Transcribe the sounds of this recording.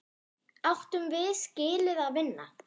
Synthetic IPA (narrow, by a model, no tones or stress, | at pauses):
awht̪ʏmvɪscɪːlɪðaðvɪnːa̰